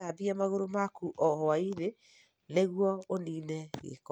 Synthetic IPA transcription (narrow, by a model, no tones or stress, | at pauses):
abiamaɣoɾomakuʔɔhɔaiɾe | neɣwɔoniːnɛɣḛk